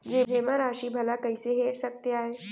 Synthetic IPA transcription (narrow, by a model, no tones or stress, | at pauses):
d͡ʒebʱeməɾaʃiːbʱəlakəiseɦeːʈsək̚t̪eaːɦeː